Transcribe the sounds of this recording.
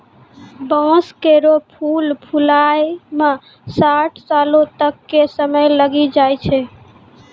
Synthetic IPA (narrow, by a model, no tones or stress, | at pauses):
bɔ̃skeɾopʰulpʰulajme | saʈʰsalot̪əkːesəməjləɡid͡ʒajt͡ʃʰɛ